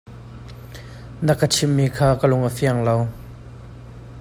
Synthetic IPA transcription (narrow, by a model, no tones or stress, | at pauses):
nəkət͡ʃʰimːiːkʰaːkəlʊŋəfiɐŋlow